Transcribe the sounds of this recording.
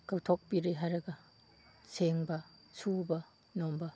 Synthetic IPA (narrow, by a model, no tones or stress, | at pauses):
kawtʰok̚biɾiɦaɾɐɡɐ | seŋbɐsubɐ | nombɐ